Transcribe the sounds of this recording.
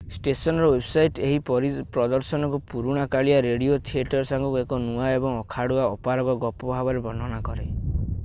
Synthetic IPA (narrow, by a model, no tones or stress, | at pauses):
sʈesɔnɔɾɔwebsajʈeɦipɔɾipɾɔd̪ɔɾsɔnɔkupuɾuɽ̃akaɭiaɾeɽiot̪ʰieʈɔɾsaŋɡukuekɔnuaebɔŋɔkʰaɽuaɔpaɾɔbɔɡɔpɔbʱabɔɾebɔnd̪ʱɔnakɔɾḛ